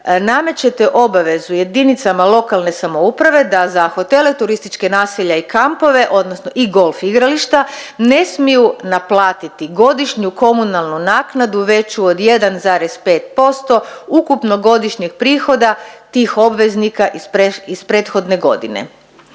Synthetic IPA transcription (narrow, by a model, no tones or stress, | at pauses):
name̞t͡ɕe̞t̪eʔo̞baʋe̞zuje̞d̪init̪samalˠo̞kalne̞samo̞upɾaʋe̞d̪azaxo̞t̪e̞le̞t̪uɾist̪it͡ʃke̞naːseʎaikampo̞ʋe̞ʔo̞d̪nosno̞ʔiɡo̞lˠfiɡɾaliʃt̪ane̞smijunaplˠaːt̪it̪iɡo̞d̪iʃɲuko̞munalˠnunaːknad̪uʋe̞t͡ɕuod̪je̞d̪anzaːɾe̞spe̞ːt̪̚po̞st̪o̞ukupno̞ɡo̞d̪iʃɲeɡpɾiːxo̞d̪at̪iːxo̞bʋe̞znikaʔipeispɾeːt̪xo̞d̪ne̞ɡo̞̰d̪ḭnḛ